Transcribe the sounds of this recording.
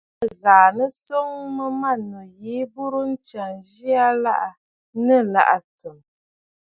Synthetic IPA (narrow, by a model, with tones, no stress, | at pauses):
ɣaː˨nə˦sɔ˦ŋmə˦ma˦˨nu˨je˦bu˦ɾu˦n̩˦t͡ʃa˨ŋʒi˦a˦la˦˨ʔa˨ | nə˦la̰˨ʔa˨tɨ˨m